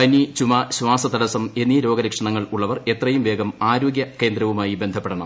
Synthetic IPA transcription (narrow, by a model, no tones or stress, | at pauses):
ɐnit͡ɕumɐɕʋaːsɐt̪ɐɽɐsɐme̞nːiɾo̞ːɡɐɾɐkʂɐɳɐŋːɐɭuɭːɐʋɐre̞t̪rɐjumʋe̞ːɡɐmaːɾo̞ːɡjɐke̞ːnd̪ɾɐʋumaːjibe̞nd̪ʱɐpːeɽɐɳɐm